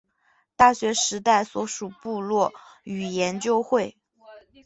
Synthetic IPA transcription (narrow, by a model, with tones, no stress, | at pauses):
t̪a˥˩ɕɥɛ˧˥ʂɻ̩˧˥t̪a˥˩ɪswɔ˧˥ʂu˨˩pu˥˧lwɔ˥˩y˨˩jɛ˧˥nt͡ɕjo˥ʊxwe˥˩ɪ